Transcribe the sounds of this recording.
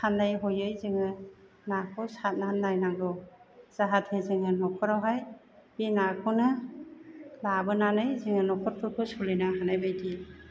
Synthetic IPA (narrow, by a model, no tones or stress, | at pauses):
sʰandajɦɔjɯjzɯŋɯ | nakʰɯsat̚nanːajnaŋdɔz̥aɦatʰezɯŋɯnɔkʰɔɾawɦaj | b̥inakʰɯnɯ | labɯnanɯjzɯŋɯnɔkʰɔɾpʰɯɾkʰɯsulɯjnɯhanajbajdi